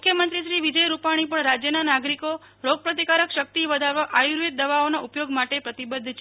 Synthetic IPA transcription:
mukʰjəmənt̪ɾiʃɾiʋid͡ʒəjɾupaɽ̃ipəɳɾad͡ʒjənanaɡɾiko | ɾoɡ̚pɾət̪ikaɾəkʃək̚t̪iʋəd̪ʱaʋaʔajuɾʋit̪̚d̪əʋaonaʔupjoɡmaʈepɾət̪ibəd̪ʱːt͡ʃʰ

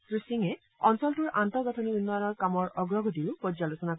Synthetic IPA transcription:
kɹusiŋɛ | ɔnsɔltuɹantɔɹɡɔtʰɔniunːɔjɔnɔɹkamɔɹʔɔɡɹɔɡʱɔdiʊpɔd͡ʒzalosɔnako

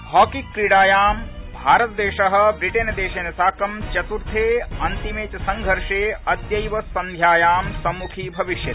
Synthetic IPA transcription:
hɔːkikːɾiɽaːjaːmbʱaːɾɐt̪ɐd̪eːʃɐɦɐ̆bɾiʈeːnd̪eːʃeːnɐsaːkɐmt͡ʃɐt̪uɾt̪ʰeːɐnt̪imeːt͡ʃɐsɐŋɡʱɐɾʂeːɐd̪jɐjʋɐsɐnd̪ʱjaːjaːmsɐmːukʰiːbʱɐʋiʃjɐi̥

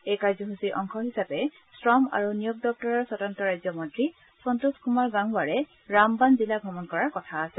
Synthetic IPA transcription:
ejkaɹzɔɦusiʔɔŋkʰɔɦisapɛ | sɹɔma̰ɹunijɔɡ̚dɔk̚tɔɹɔɹsɔtɔntɔɹajzɔmɔntɹi | sɔntuskumaɹɡaŋbaɹɛ | ɹambanzilaɡʱɔmɔnkɔɹaɹkɔtʰaːsɛl

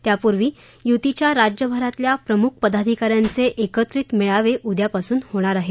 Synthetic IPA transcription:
t̪japuɾʋiː | jut̪it͡ɕjaɾad͡ʑjəbʱəɾat̪ljapɾəmukʰpəd̪ad̪ʱikaɾjant͡seʔekət̪ɾiːt̪meɭaʋeʔud̪japasuːnhoɽ̃aɾaɦe

